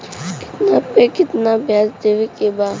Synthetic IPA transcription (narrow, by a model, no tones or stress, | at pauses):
kɪ̥t̪napekɪt̪nabʱjaːsd̪eʋekebaː